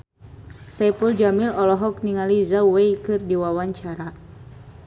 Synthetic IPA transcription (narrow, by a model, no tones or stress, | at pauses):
sɛpuld͡ʒamilɔlɔɦɔk̚niŋalizauwɛjkɨrdiwawaɲt͡ʃaɾa